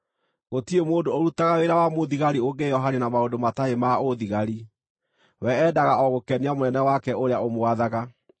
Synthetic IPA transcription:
ɣotiemoːndooɾutaɣaweɾawamoðiɣaɾioɡejɔɦanenamaondomataemaoðiɣaɾi | wɛːdaɣaʔɔɣokɛniamonɛnɛwakɛʔoɾeaomoaðaɣa

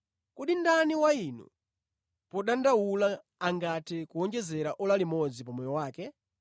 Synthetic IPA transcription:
kuɗindaniwainṵ | pɔɗandawulaː | ŋɡatikuɔnd͡ʒɛzɛɾaʔɔlalimɔd͡zipɔmɔjɔwaːkɛ

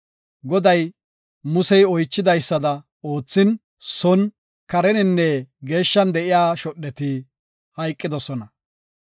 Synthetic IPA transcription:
ɡɔd̪ɐj | mʊsɛjɔjt͡ʃːɪd̪ɐjsːɐd̪ɐ | o̞ːt͡sːɪn | sɔn | kɐɾɛnɪnːɛɡe̞ːʃːɐnd̪ɛʔɪjaːʃɔɗːɛt̪ɪ | hɐjkʼːɪd̪ɔsɔnɐ

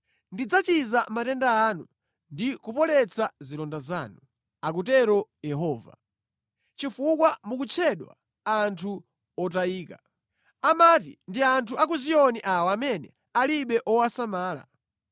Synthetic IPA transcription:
ndid͡zat͡ʃizamatɛndaːnu | ndikupɔlɛt͡sʰazilɔndaza̰ːnu | ak̬utɛɾɔjɛɦɔːva̰ | t͡ʃifukwamukut͡ʃʰɛɗwa̰ | antʰu | ɔtaiːka | amat̬ḭndiantʰuak̬uziɔniʔawɔamɛnɛ̰ | aliɓɛʔɔwasamaːla̰

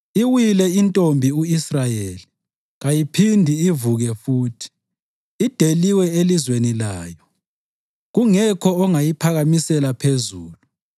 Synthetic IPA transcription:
iwilɛintʼombʱiuisrajeli | ɣajipʰindʱiːvuɣɛfuːtʰi̥ː | d̥ʱeliwɛelizwenila̰ːjɔ | ɣuŋɛkʰɔɔŋajipʰaɣamisɛlapʰezuːlu

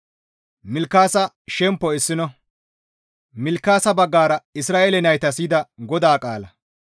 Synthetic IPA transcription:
mɪlkːaːsɐ | ʃɛmpːɔɪsːɪnɔ | mɪlkːaːsɐbɐɡːaːɾɐɪsɾaːʔelɛnɐjt̪ɐsiːd̪ɐɡɔd̪aːkʼa̰ːlɐ

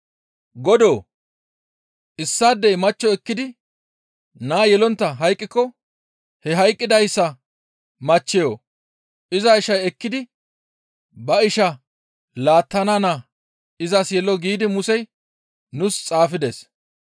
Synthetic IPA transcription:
ɡɔd̪oː | ʔɪsːaːd̪ːɛjmɐt͡ʃːɔɛkːɪd̪ɪ | naːjɛlɔnt̪ːɐɦɐjkʼːɪkːɔ | hɛɦɐjkʼːɪd̪ɐjsːɐ | mɐt͡ʃːɛjoː | ɪzɐɪʃɐjɛkːɪd̪ɪ | bɐɪʃɐ | laːt̪ːɐnana | ɪzɐsjɛlɔɡiːd̪ɪmʊsɛj | nʊst͡sʼaːfɪd̪eːs

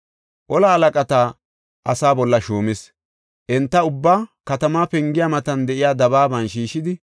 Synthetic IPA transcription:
ʔɔlɐːlɐkʼɐt̪aː | ʔɐsaːbɔlːɐʃuːmɪs | ʔɛnt̪ːɐʊbːaːkɐt̪ɐmaːpɛŋɡɪjamɐt̪ɐnd̪ɛʔɪjaːd̪ɐβaːbɐnʃiːʃɪd̪ɪ

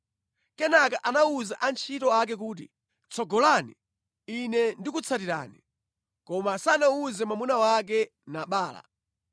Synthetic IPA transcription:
kɛnakaʔanauzaʔant͡ʃʰitɔak̬ɛk̬uːt̬ḭ | t͡sʰɔɡɔlani | inɛndikut͡sʰatiɾa̰ːni | kɔmasanauzɛmamunawak̬ɛ | naɓaːla̰

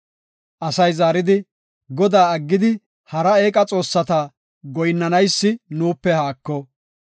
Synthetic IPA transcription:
ʔɐsɐjzaːɾɪd̪ɪ | ɡɔd̪aːɐɡːɪd̪ɪ | hɐɾɐe̞ːkʼɐt͡sʼo̞ːsːɐt̪a | ɡɔjnːɐnɐjsːɪnuːpːɛhaːkːɔ

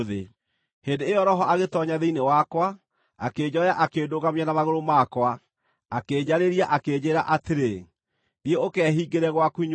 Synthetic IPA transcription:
ðe | heːndeːjɔɾɔɦɔʔaɣetɔɲaðeinewakwa | akeːd͡ʑɔjaʔakeːdoɣamianamaɣoɾomakwa | aked͡ʑaɾeɾiaʔakeːd͡ʑeɾaʔateɾe | ðieokɛɦiɡeɾɛɣwakuiɲ

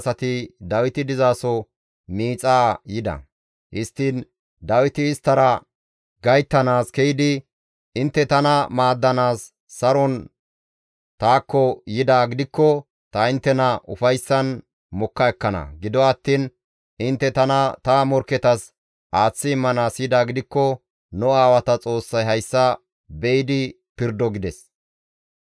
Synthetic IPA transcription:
sɐt̪ɪd̪ɐwɪt̪ɪd̪ɪzaːsɔ | miːt͡sʼaːjɪd̪ɐ̰ | hɪst̪ːɪn | d̪ɐwɪt̪ɪːst̪ːɐɾɐ | ɡɐjt̪ːɐnaːskɛjɪd̪ɪ | ɪnt̪ːɛt̪ɐnɐmaːd̪ːɐnaːsː | ɐɾɔn | t̪aːkːɔjɪd̪aːɡɪd̪ɪkːɔ | t̪ɐɪnt̪ːɛnɐʔʊfɐjsːɐn | mɔkːɐɛkːɐnɐ̰ɡɪd̪ɔɐt̪ːiːn | ɪnt̪ːɛt̪ɐnɐt̪ɐmɔɾkːɛt̪ɐs | ʔaːt͡sːɪɪmːɐnaːsjɪd̪aːɡɪd̪ɪkːɔ | nɔaːwɐt̪ɐt͡sʼo̞ːsːɐjɦɐjsːɐ | bɛɪd̪ɪ | pɪɾd̪ːɔɡɪd̪ɛs

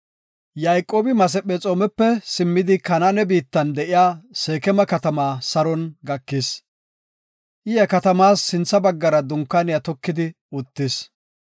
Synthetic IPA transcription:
jajkʼːoːbɪmɐs̬ɛpɛt͡sʼoːmɛpːɛsɪmːɪd̪ɪkɐnanɛbiːt̪ːɐnd̪ɛʔɪjaːseːkɛmɐkɐt̪ɐmaːsɐɾɔnɡɐkːis | ʔɪjɛkɐt̪ɐmaːsːɪnt͡sːɐbɐɡːɐɾɐd̪ʊŋkːanɪjɐt̪ɔkːɪd̪ɪ | ʊt̪ːɪs

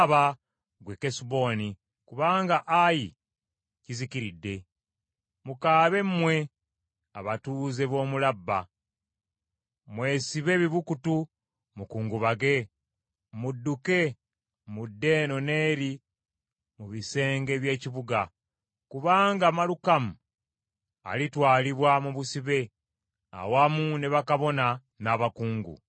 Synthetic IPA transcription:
βa | ɡwekesubo̞ːni | kuβaːŋɡaʔaji | ciziciɾidːe̞ | mukaːβe̞mmwe̞ | a̰βatuːze̞βo̞ːmulabːa | mwe̞ːsiβe̞ːβiβukutu | mukuːŋɡuβaɡe̞ | mudːuke̞ | mudːe̞ːno̞ne̞ːɾi | muβise̞ːŋɡe̞βje̞ːciβuɡa | kuβaːŋɡaːmalukamu | a̰litwaːliβwamuβusiβe̞ | a̰wamuneβakaβo̞na | naːβakuːŋɡṵ

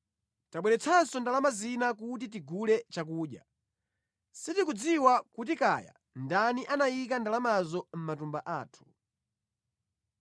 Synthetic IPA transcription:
taɓwɛɾɛt͡sʰansɔndalamazinak̬ut̬it̬iɡulɛt͡ʃak̬uːɗja | sitikud͡ziwakut̬ika̰ːja̰ | ndaniʔanajikandalamazɔm̩matumbaʔaːtʰu̥

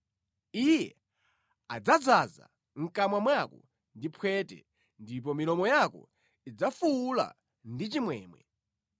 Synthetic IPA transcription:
ijɛ̰ | ad͡zad͡zaza̰ | ŋ̩kamwamwakɔ̰ | ndipʰwɛtɛ̰ | ndip̬ɔmilɔmɔjakɔ̰ | id͡zafuːla̰ | ndit͡ʃimwɛːmwɛ̰

